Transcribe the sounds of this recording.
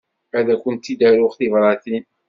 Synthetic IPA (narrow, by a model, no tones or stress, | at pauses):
æðækʊnt̪ːid̪æɾuχθivɾˤɑθin